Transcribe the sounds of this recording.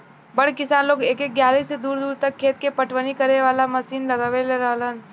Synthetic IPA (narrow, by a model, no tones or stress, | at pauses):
bəɽkɪsaːnloːɡeːkek̚ɡjaːliːsed̪uːɾd̪uːɾt̪əkʰːeːt̪̚kepəʈʰwənikəɾeʋaːlamɐsiːnlɐɡaʋeleɾəɦlən